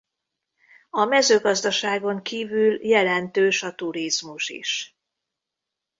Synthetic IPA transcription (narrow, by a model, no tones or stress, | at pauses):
ɒmɛzøːɡɒzd̪ɒʃaːɡo̞ŋkiːvyːljɛlɛnt̪øːʃɒt̪uɾizmuʃḭʃ